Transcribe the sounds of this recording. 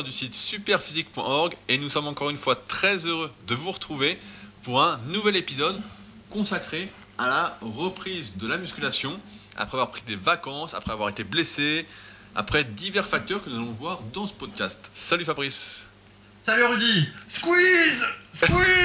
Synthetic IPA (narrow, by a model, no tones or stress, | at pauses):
d̪ysit̪sypɛʁfizik̚pwɛ̰̃ʔɔʁɡenusɔmɑ̃kɔʁynfwat̪χɛzøʁød̪əvuʁət̪χuvepuʁɛ̃nuvɛlepizɔd̪ | kɔ̃sakχe | alaʁəpχizd̪əlamyskʲylasjɔ̃a̰pχɛavwaʁpχid̪evakɑ̃sa̰pχɛavwaʁet̪eblese | a̰pχɛd̪ivɛʁfak̚t̪œʁkənuzalɔ̃vwaʁd̪ɑ̃sə̥pɔd̪̚kʲast̪salyfabʁis | salyʁyd̪iskwizwi